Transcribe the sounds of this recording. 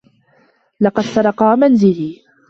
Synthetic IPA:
lɑqɑd̪sɑɾˤɑqɑːmanzɪliː

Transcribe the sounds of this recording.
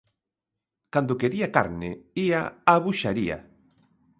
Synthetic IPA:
kand̪okeɾiaka̰ɾnɪ̰iaaβuʃaɾia̰

